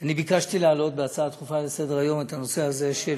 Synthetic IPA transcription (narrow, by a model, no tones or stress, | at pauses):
anibikaʃtilealo̞t̚beat͡saːt̪χufalese̞d̪eʁajo̞me̞thano̞se̞hazeʃe